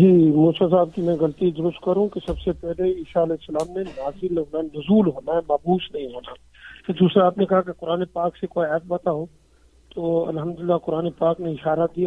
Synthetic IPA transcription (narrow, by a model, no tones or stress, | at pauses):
d͡ʒiːmuːsasaːb̚kimɛ̃ɡɐlt̪id̪ʊɾʊst̪kɐɾɦũkesɐbsepɛɦleiːʃaɐleːsɐlaːmnenaːzɪlɦoːnaɛnʊzuːlɦoːnaɦɛmaːbuːsnɐɦĩɦoːna | t̪od̪uːsɾaaːpnekɐɦakekʊɾaːnepaːksekoːiɛːp̚bɐt̪aɦoː | t̪oːɐ̰lɦəmd̪ʊlɪlːakʊɾaːnepaːkneɪʃaːɾad̪ija